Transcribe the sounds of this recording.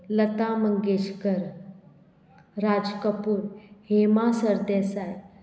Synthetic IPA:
lət̪aməŋɡeɕkəɾ | ɾad͡zkəpuːɾhemasəɾd̪esaj

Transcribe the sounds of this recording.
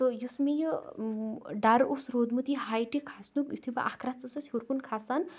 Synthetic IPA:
t̪ojusmijo | ɖaɾosɾod̪mut̪iɦajʈikʰasnukjut̪ʰiba̰ʔakʰɾat͡sɐsɐsʲhoɾkunkʰasan

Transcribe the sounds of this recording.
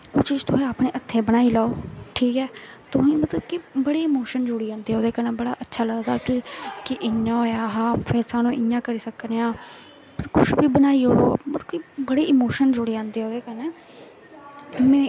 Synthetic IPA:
oːt͡ʃiːd͡ʒt̪ʊɦɛ̃ːaːpnẽːʔət̪ʰːẽːbənaːiːlaːoːʈʰiːkɛː | t̪ʊɦĩːmət̪ləbkɪbəɽeːɪmoːʃənd͡ʒʊɽiːãːnd̪eːɦoːd̪eːkəɾnɛːbəɽa̰ːʔətːʃʰaːləɡd̪a̰ːkɪkɪʔɪãːoːjaːɦaːpʰɛːsaːnũːʔɪãːkəɾiːsəkneːãː | kʊʃbiːbənaːiːoːo̰ːmət̪kibəɽeːɪmoːʃənd͡ʒʊɽeːãːnd̪eːoːd̪eːkəɾnɛː | mɛ̃ː

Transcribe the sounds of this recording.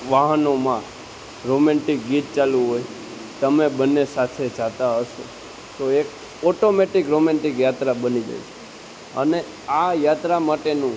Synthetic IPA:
ʋaɦənomã | ɾomɛ̃ɳʈik̚ɡit̪̚t͡ʃalũɦoj | t̪əmebənːesat̪ʰed͡ʒat̪aɦəʃo̰ | t̪oek̚ | ɔʈomeʈikɾomɛ̃ɳʈikjat̪ɾabənid͡ʒa̰jt͡ʃʰe̥ | ə̰ne | ajat̪ɾamaʈenũ

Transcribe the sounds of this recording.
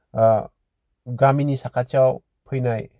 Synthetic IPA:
ɡaminisakʰat͡ʃaw | pʰɯjnaj

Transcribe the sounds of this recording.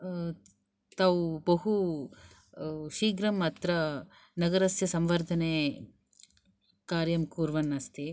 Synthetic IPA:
t̪aːʋubɐɦu | ʃiːɡɾɐmɐt̪ɾɐ | nɐɡɐɾɐsjɐsɐmʋɐɾd̪ʱɐne | kaːɾjɐmkuːɾʋɐnːɐst̪i

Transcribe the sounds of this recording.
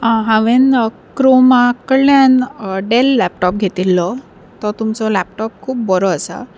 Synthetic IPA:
ɦãʋen | kɾomakəɽljanɖelːɛp̚ʈɔp̚ɡʱet̪ilːɔ | t̪ɔt̪umt͡sɔlɛp̚ʈɔp̚kʰuːp̚bɔɾɔəsa̰

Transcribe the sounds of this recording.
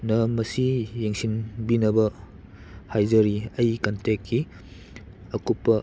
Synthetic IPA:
nɐmɐsijeŋsinbinɐbɐ | hajzɐɾiɐjkɐntekʰːi | ɐkupːɐ

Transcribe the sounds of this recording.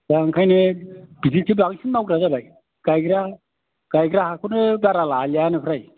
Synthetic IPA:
zaŋkʰajnɯb̥izitʰibaŋsʰinmawɡɾazabaj | ɡ̥ajɡɾa | ɡ̥ajɡɾahakʰunɯbaɾalaljanɯpʰɾaj

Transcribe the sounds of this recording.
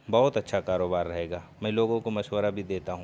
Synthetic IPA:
bɐɦʊt̪ɐtːʃʰakaːɾoːbaːɾːɐɦeːɡaːmɛ̃ːloːɡõkomɐʃwəɾabʱid̪eːt̪aɦũː

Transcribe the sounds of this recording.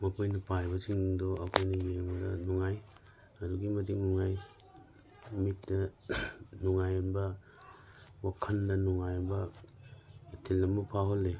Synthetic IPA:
mɐpʰojnɐpajbɐsiŋdoɐkʰojnɐjeŋbɐdɐnuŋaj | ɐduɡimɐt̬iŋnuŋaj | mitnɐ | nuŋajmbɐ | wakʰɐndɐnuŋajɐbɐ | itʰilːɐmɐpʰaɦolːe

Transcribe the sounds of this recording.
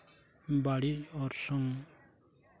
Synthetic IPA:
baɽiɔɾsɔŋ

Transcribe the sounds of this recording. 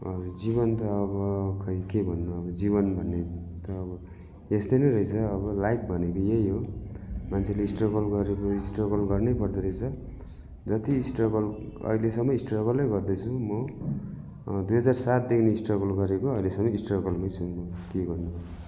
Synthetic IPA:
ʌd͡ziβʌnt̪ʌːβʌkʌikebʱʌnːuʌbʌd͡ziβʌnbʱʌnːet̪ʌːbʌ | est̪ʌjnʌjɾʌjt͡sʰʌːβʌlajk̚bʱʌnekojejɦomant͡sʰeleisʈrʌɡʌlɡʌɾekoisʈrʌɡʌlɡʌrnepʌrd̪ʌɾʌjt͡sʰʌ | d͡zʌt̪iːsʈrʌɡʌlʌ̰ɦilesʌmːʌisʈrʌɣʌlːʌjɡʌrd̪ʌt͡sʰumʌ | d̪ujɦʌd͡zarsat̪̚d̪ekʰneisʈrʌɣʌlɡʌɾekoʌilesʌmːʌisʈrʌɡʌlmajt͡sʰumʌkeɡʌrnubʌ

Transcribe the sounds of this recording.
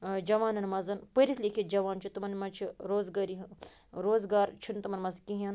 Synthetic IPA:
d͡ʒɐʋaːnɐnmɐzɐnpəɾit̪lʲikʰʲid͡ʒɐʋaːnt͡ʃʰit̪ɐmɐnmɐt͡ʃʰiɾoːzɡaːɾiɦɾoːzɡaːɾt͡ʃʰunt̪ɐmɐnmɐzkiɦɐn

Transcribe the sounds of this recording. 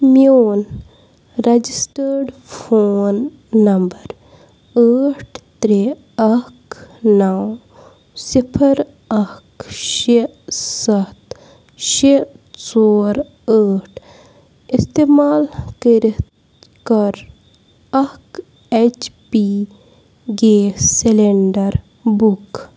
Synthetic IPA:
mioːn | ɾɐd͡ʒisʈəɾɖpʰoːnː | ɐmbəɾ | əːʈʰt̪ɾe | ɐknaw | sipʰəɾ | ɐkʃe | sɐt̪ | ʃesoːɾ | əːʈʰ | ist̪eːmaːlkəɾit | kɐɾ | ɐk | et͡ʃpi | ɡeːseleɳɖəɾ | buk

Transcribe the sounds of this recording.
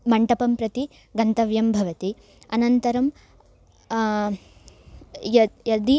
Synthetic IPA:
mɐɳʈɐpɐmpɾɐt̪i | ɡɐnt̪ɐʋjɐmbʱɐʋɐt̪i | ɐnɐnt̪ɐɾɐm | jɐjɐd̪i

